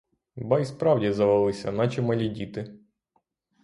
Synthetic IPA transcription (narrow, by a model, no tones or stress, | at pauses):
bɑjspɾɑwdʲizɐʋɐlˠɪsʲɐnɑt͡ʃimɐlʲidʲit̪ɪ